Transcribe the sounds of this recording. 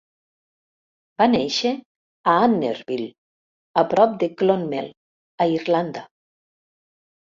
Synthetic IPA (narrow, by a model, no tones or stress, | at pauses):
b̥aneʃe | aanːḛɾβil | apɾɔp̚d̪eklonmel | aiɾland̪a